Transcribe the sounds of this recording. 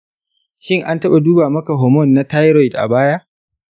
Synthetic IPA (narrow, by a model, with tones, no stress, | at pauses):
ʃɪ˦ŋʔa˦ntɐ˦ɓa˨duː˦baː˨mɐ˦ka˨ɦoː˨mɔ˦˨nːa˦ta˦jɾɔ˦˨jdʔa̰˨baː˦ja˦ʔ